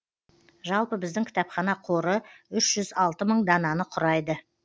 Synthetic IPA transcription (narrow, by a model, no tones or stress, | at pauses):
ʒɑlˠpəbɪzd̪ɪŋkʲʰɪ̥t̪ɑpχɑnɑqʰo̞ɾəʏʃʒ̥ʏzɑlˠt̪əməɴd̪ɑnɑnəqʰʊɾɑjd̪ə